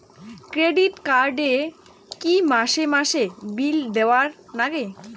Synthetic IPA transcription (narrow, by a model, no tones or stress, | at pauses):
kɾeɖiʈkaɾɖe | kimaʃemaʃebild̪eoaɾnaɡe